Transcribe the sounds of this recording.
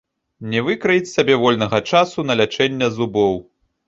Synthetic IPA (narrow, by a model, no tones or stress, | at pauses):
nʲɛvɨkɾɐjit͡sʲsabʲɛvɔlʲnɐɣɐt͡ʂasunɐlʲat͡ʂɛnʲːɐzubɔw